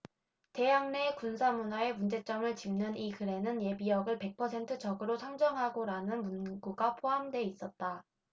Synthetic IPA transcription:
te̞jaŋne̞kunsʰamunae̞mund͡ʑe̞t͡ɕ͈ʌmɯɭt͡ɕimnɯnikɯɾe̞nɯnje̞biʌɡɯɭpe̞k̚pʰʌsʰe̞ntʰɯt͡ɕʌɡɯɾosʰaŋd͡ʑʌŋɦaɡoɾanɯnmunɡuɡapʰoɦamdwe̞is͈ʌt̚t͈a

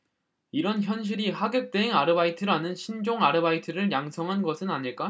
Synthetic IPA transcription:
iɾʌnçjʌnɕ̬ʰiɾihaɡjek̚t͈eiŋaɾɯbaitʰɯɾanɯnɕʰind͡ʑoŋaɾɯbaitʰɯɾɯɭjaŋsʰʌŋɦanɡʌsʰɯnaɲiɭk͈a

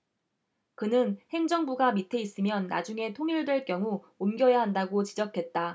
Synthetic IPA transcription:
kɯnɯnhe̞ŋd͡ʑʌŋbuɡamitʰe̞is͈ɯmjʌnːa̰d͡ʑuŋe̞tʰoŋiɭdwe̞ɭk͈jʌŋu | omɡjʌjaɦandaɡot͡ɕid͡ʑʌkʰe̞t̚t͈a

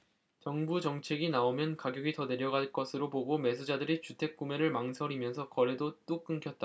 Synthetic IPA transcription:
t͡ɕʌŋbud͡ʑʌŋt͡ɕʰe̞ɡinaomjʌnkaɡjʌɡitʌne̞ɾjʌɡaɭk͈ʌsʰɯɾoboɡome̞s̬ʰud͡ʑadɯɾit͡ɕutʰe̞k̚k͈ume̞ɾɯɭmaŋsʰʌɾimjʌnsʰʌkʌɭːe̞dot͈ok͈ɯŋkʰjʌt̚t͈a

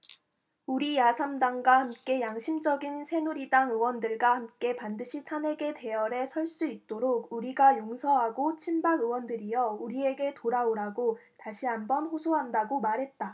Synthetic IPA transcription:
uɾijasʰamdaŋɡwahamk͈e̞jaŋɕʰimd͡ʑʌɡinsʰe̞nuɾidaŋɯwʌndɯɭɡwahamk͈e̞pandɯɕʰitʰanɦe̞ɡe̞te̞ʌɾe̞sʰʌɭs͈uit̚t͈oɾoɡuɾiɡajoŋsʰʌɦaɡot͡ɕʰimbaɡɯwʌndɯɾijʌuɾie̞ɡe̞toɾaoɾaɡotaɕʰiɦanbʌnɸosʰoɦandaɡomaɾɦe̞t̚t͈a

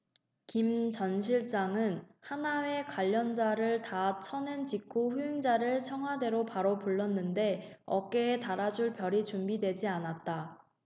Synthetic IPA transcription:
kimt͡ɕʌnɕʰiɭt͡ɕ͈aŋɯnhanawe̞kwaʎːʌnd͡ʑaɾɯɭtat͡ɕʰʌnɯnd͡ʑikʰuɸuiŋd͡ʑaɾɯɭt͡ɕʰʌŋɦwade̞ɾopaɾopuɭːʌnːɯnde̞ʌ̰k͈e̞ːtaɾad͡ʑuɭpjʌɾit͡ɕumbidwe̞d͡ʑianat̚t͈a

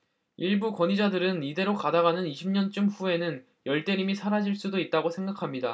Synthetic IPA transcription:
iɭbukwʌɲid͡ʑadɯɾɯnide̞ɾokadaɣanɯniɕʰimɲʌnt͡ɕ͈ɯmɸue̞nɯn | jʌɭt͈e̞ɾimisʰaɾad͡ʑiɭs͈udoit̚t͈aɡosʰe̞ŋɡakʰamɲida

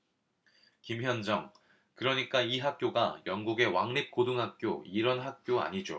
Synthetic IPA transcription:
kimçjʌnd͡ʑʌŋ | kɯɾʌɲik͈aiɦak̚k͈joɡajʌŋɡuɡe̞waŋnip̚k͈oduŋɦak̚k͈joiɾʌnɦak̚k͈joa̰ɲid͡ʑo̰

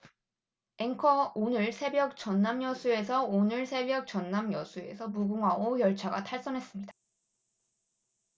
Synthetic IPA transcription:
e̞ŋkʰʌonɯɭsʰe̞bjʌk̚t͡ɕʌnːamjʌsʰue̞sʰʌonɯɭsʰe̞bjʌk̚t͡ɕʌnːamjʌsʰue̞̰sʰʌmuɡuŋɦaɡokjʌɭt͡ɕʰaɡa̰tʰaɭs͈ʌnɦe̞s͈ɯmɲidḁ

